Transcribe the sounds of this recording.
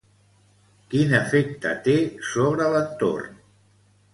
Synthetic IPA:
kinəfek̚t̪ə̰t̪esoβ̞ɾələnt̪o̰rn

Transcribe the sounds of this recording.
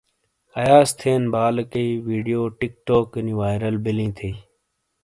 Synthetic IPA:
ɐjaːst̪ʰeːnbaːlkəiʋiːɖijoːʈɪk̚ʈoːkniʋaːjɾəlbɪlĩːt̪ʰeː

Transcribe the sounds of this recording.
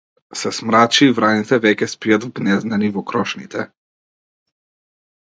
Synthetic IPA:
sɛsmɾat͡ʃiːvɾanit̪ɛvɛkʲɛspijad̪vɡnɛznanivɔkɾɔʃnit̪ʰɛ

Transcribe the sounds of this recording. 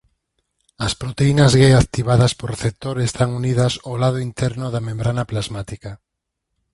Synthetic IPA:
ɐspɾot̪einɐzɣeakt̪iβaðɐspoɾreθep̚t̪oɾest̪aŋuniðɐsolaðʊint̪ɛɾnʊðɐmẽmbɾanɐplazmat̪ika

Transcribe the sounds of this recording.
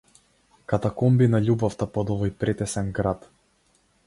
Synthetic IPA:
kat̪akɔmbinaʎubaft̪apɔd̪ɔvɔjpɾɛt̪ɛsɛnɡɾat̪

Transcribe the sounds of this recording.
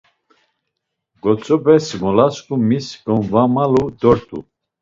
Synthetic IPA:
ɡɔt͡sʼɔbɛsmɔlaskʼumisɡɔnvamalud̪ɔɾt̪ʰʼṵ

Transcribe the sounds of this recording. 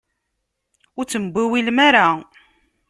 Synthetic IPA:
ʊɾt͡sːəmbʷiwilmaɾa

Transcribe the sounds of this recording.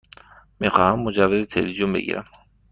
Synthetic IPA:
miːxɑːhæmːod͡ʒævːezet̪ʰelizijombe̞̰ɡḭːɾæ̰m

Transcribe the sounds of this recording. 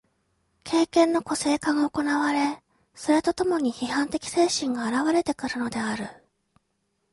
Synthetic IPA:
kʰe̞ːkẽ̞nːo̞ko̞se̞ːkaɡaoko̞naβaɾe̞ | so̞ɾe̞t̪o̞t̪o̞mo̞ɲ̟içihãnt̪e̞kʲi̥se̞ːɕĩŋɡaːɾaβaɾe̞t̪e̞kɯ̟ɾɯ̟no̞d̪e̞aɾɯ̟

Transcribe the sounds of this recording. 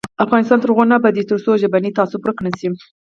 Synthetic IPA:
afɣɑnɪst̪ɑnt̪əɾɣonabad̪et̪əɾsoʒabanit̪ɑsʊpɾəknəsi

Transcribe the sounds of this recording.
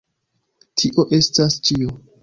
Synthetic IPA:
tʰiʔo̞ʔe̞stast͡ʃio

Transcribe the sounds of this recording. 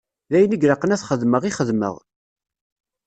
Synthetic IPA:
ðæjəniɡɾɑqːənæθχəðməʁiχəðmə̰ʁ

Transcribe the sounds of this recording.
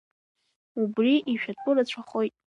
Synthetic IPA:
ubriʔiʃᶣatʷʼʊrat͡ɕʷʰaχojtʼ

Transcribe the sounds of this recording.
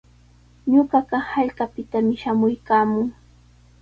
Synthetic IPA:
ɲʊɢɑɢɑhaʎkapɪt̪amɪʃamʊjkaːmʊŋ

